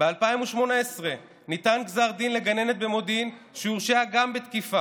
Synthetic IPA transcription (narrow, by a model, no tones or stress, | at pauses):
b̥ealpaimuʃmo̞naesʁe | nit̪anɡzaʁd̪inle̞ɡane̞net̪̚be̞mo̞d̪inʃeuʁʃeaɡambet̪kifa